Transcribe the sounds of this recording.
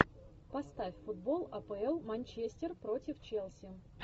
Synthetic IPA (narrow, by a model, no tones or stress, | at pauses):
pɐst̪afʲfʊd̪̚bo̞lˠɐpəɛlˠmɐnʲt͡ɕesʲtʲɪrpɾo̞tʲɪft͡ɕelˠsʲɪ